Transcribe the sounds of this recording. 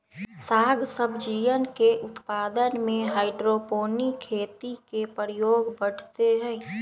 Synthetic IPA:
saːɡʱsəbʱd͡ʒiːʋənkeʔʊt̪paːd̪ənmẽɦaːɪɖɾopoːnikʰeːt̪ikepəɾjoːɡbəɽ̤t̪eɦɛ

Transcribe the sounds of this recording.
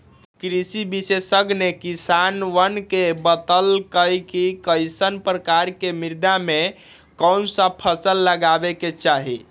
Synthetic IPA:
kɾisibisesəɡnekisanʋənkebət̪əlkəjkikəjsənpɾəkaɾkemiɾd̪ame | kənsə̃pʰəsəlːəɡabeket͡ʃaɦi

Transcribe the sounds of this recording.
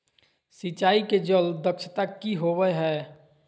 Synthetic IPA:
sit͡ʃaːiked͡ʒəld̪əkʃʰət̪akiɦowɛɦɛː

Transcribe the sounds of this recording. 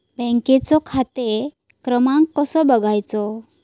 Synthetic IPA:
bɛ̃ŋket͡sɔkʰat̪e | kɾəmãŋkːəsɔbəɡʱajt͡sɔ

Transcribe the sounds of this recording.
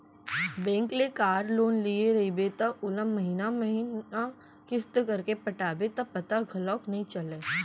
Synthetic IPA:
bɛ̃ːŋklekaːɾloːnlieɾɐibet̪aʊləmːɐɦiːnamɐɦina | kɪst̪kɐɾkepɐʈaːbet̪ɐpɐt̪aɡʱɐlɔːknɐɦĩt͡ʃɐleː

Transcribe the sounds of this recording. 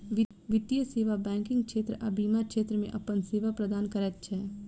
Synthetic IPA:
ʋɪt̪ijəseːʋabɛ̃ːŋkɪ̃ŋɡkʃeːt̪ɾəʔə̰bʱimakʃeːt̪ɾəmḛ̃ʔɐpənseːʋapɾəd̪aːnkəɾɛt̪̚t͡ʃʰɛː

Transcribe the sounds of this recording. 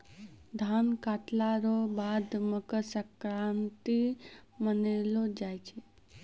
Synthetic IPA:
d̪ʱankaʈlaɾobad̪məkəsəkɾant̪imənelod͡ʒajt͡ʃʰe

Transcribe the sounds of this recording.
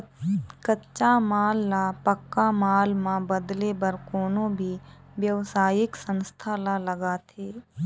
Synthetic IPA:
kətːʃamaːlːapəkːamaːlmãbəd̪lebəɾkoːnõbʱi | ʋjəʋsaːjɪksə̃nst̪ʰalaləɡaːt̪ʰeː

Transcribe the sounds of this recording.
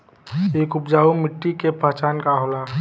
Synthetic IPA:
eːkʊpd͡ʒaːumɪʈːikepət͡ʃaːnkaɦola

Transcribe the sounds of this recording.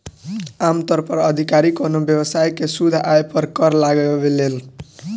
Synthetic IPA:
amt̪ʌɾpʌɾəd̪ʱikaɾikonobjʌbəsajkesud̪ʱaepʌɾkʌɾlaɡjobelel

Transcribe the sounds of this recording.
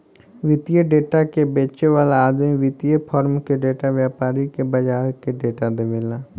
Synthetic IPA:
ʋɪt̪ijeɖeːʈakebeːt͡ʃeʋaːlaaːd̪mĩʋɪt̪ijepʰɔːɾmkeɖeːʈaʋjaːpaːɾikebəd͡ʒaːɾkeɖeːʈad̪eʋeːlaː

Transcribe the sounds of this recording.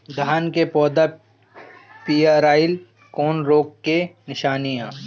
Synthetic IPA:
d̪ʱaːnkepɔːd̪a | pijaɾaːɪl | kɔːnɾoːkːenɪʃaːnijãː

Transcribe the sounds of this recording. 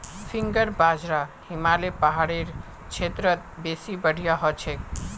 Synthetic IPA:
fʰiŋɡəɾbad͡ʒɾahimalepaɦaɽeɾ | t͡ʃʰet̪ɾət̪̚besibəɽ̤ʱijaɦɔt͡ʃʰek

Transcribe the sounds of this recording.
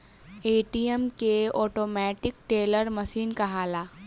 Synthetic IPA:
eːʈijəmkeɔːʈoːmɛːʈɪk̚ʈeːləɾmɐʃiːnkaɦaːlaː

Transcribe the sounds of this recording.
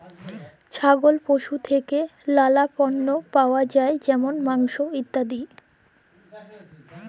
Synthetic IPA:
t͡ɕʰaɡolpoʃut̪ʰekelalapɔnːopaoad͡ʑaed͡ʑɛmonmaŋʃoit̪ːad̪i

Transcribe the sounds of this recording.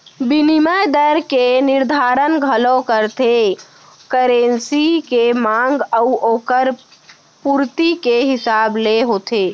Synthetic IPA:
biniməjd̪əɾkenɪɾd̪ʱaːɾənɡʱəlõkəɾt̪ʰe | kəɾensikemãŋɡəʊʔoːkəɾ | puɾt̪ikeɦɪsaːbleɦot̪ʰeː

